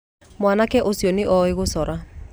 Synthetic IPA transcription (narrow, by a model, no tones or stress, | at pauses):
mwaːnakɛʔosjɔneʔɔeɣosɔɾa